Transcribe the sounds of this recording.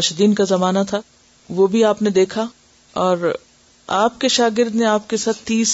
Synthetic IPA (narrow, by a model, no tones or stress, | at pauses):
ʃd̪iːnkazɐmaːnat̪ʰa | ʋobʱiaːpned̪eːkʰa | ɔːɾ | aːpkeʃaːɡɪɾd̪neaːp̚kesaːt̪ːiːs